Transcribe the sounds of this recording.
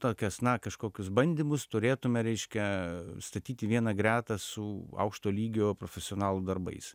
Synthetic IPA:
t̪oːkʲɛsnɐkɐʃkoːkʲʊsbɐnʲd̪ʲimʊst̪ʊɾʲeːt̪ʊmʲɛɾʲɛɪʃʲkʲɛst̪ɐt̪ʲiːt̪ʲɪʋʲiɛnɐɡɾʲæːt̪ɐsʊɐ̰ʊkʃt̪oːlʲiːɡʲoːpɾoːfʲɛsʲɪoːnɑːlˠud̪ɐrbɐ̰ɪs

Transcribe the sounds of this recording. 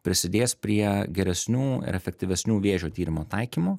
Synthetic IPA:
pʲɾʲɪsʲɪd̪ʲeːspʲɾʲiɛɡʲɛɾʲɛsʲnʲuːɪ̰ɾɛfʲɛk̚t̪ʲɪʋʲɛsʲnʲuːʋʲeːʒʲoːt̪ʲiːɾʲɪmoːt̪ɐɪkʲiːmoː

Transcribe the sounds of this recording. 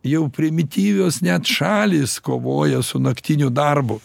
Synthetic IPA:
jɛʊpʲɾʲɪmʲɪt̪ʲiːʋʲoːsnʲɛt̪ʃɑːlʲiːskoːʋoːjɛsʊnɐkt̪ʲinʲʊd̪ɐrbʊ

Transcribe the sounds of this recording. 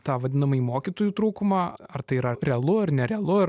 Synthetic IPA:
t̪ɑːʋɐd̪ʲɪnɐmɐiːmoːkʲiːt̪oːjuːt̪ɾuːkʊmɑːɐrt̪ɐɪiɾɐɾʲɛɐlˠʊɐrnʲɛɾʲɛɐlˠʊɐɾ

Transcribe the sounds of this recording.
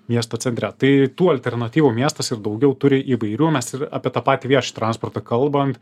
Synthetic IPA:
mʲiɛst̪oːt͡sʲɛnʲt̪ʲɾʲæt̪ɐɪt̪uːɐlʲt̪ʲɛɾnɐt̪ʲiːʋuːmʲiɛst̪ɐsɪɾd̪ɐʊɡʲɛʊt̪ʊɾʲɪʔiːʋɐɪɾʲuːmʲɛsɪɾɑ̰pʲiɛt̪ɑpɑːt̪ʲiʋʲiɛʃt̪ɾɑnspoːrt̪ɐkɐlˠbɐnt̪

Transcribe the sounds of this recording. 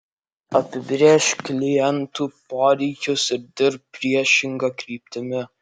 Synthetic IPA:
ɐpʲɪbʲɾʲeːʃkʲlʲɪjɛnt̪uːpoːɾʲɛɪkʲʊsɪɾd̪ʲɪɾp̚pːʲɾʲiɛʃʲɪŋɡɐkɾʲiːpʲt̪ʲɪmʲɪ

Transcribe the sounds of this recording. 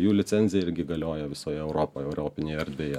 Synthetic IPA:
juːlʲɪt̪sʲɛnʲzʲɪjɛɪɾʲɡʲɪɡɐlʲoːjɛʋʲɪsoːjɛɛʊɾoːpoːjɛɛʊɾʲoːpʲɪnʲeːjɛɛɾʲd̪ʲʋʲeːjɛ

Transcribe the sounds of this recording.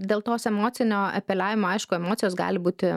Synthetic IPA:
d̪ʲeːlˠt̪oːsɛmoːt̪t͡ssʲɪnʲoːɐ̰pʲɛlʲæːʋʲɪmoːɐɪʃkʊɛmoːt̪ʲɪjoːsɡɑ̰ːlʲɪbuːt̪ʲɪ

